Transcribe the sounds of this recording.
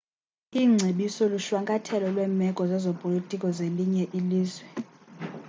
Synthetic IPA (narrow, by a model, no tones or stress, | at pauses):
iːŋ͡ǀʱeɓisɔluʃwaŋkʼatʰɛlɔlwɛːmɛɡ̥ʼʱɔzazopʼolitʼikʼɔzeliɲɛʔiliːzwɛ